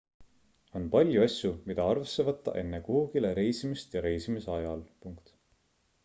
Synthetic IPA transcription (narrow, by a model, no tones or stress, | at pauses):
o̞npɑlʲjuɑsjumid̪̥ɑɑrvesːe̞vɤt̪ːˑɑ̰ʔe̞nːekuhuɡile̞ɾe̞jsimist̪jɑɾe̞jsimiseɑjɑlpuŋkt̪